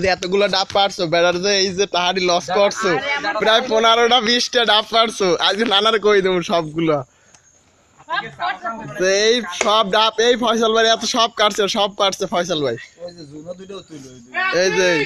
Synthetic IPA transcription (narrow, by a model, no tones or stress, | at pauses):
zeɛt̪oɡulaɖapːaʈsʰobɛɖaɾzeejzet̪aɦaɾilɔskɔɾsʰopɾajponaɾoɽabisʈiaɖappaʈsʰoʔad͡ʑikonanaɾekoid̪emuʃɔb̚ɡula | t̪oejʃɔb̚ɖapejpʰajs̬albaɾiɛt̪oʃɔb̚kaʈsʰeʃɔb̚paʈsʰefʰajs̬albaj | ejzej